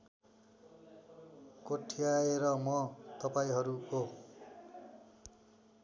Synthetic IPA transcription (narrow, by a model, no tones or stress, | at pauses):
koʈʰijaeɾʌmʌt̪ʌpaĩɦʌɾuo